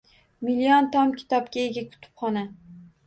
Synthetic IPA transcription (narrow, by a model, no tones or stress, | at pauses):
miliɒnt̪ʰɒmkʲʰɪ̥t̪ʰɒp̚kʲaeɡʲakʲʰʊ̥t̪ʰɪ̥pχɒna